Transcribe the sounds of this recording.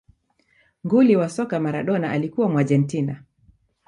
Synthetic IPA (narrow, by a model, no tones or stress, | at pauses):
ŋɡuliwasɔkamaɾaɗɔnaʔalikuwamwaʄɛntina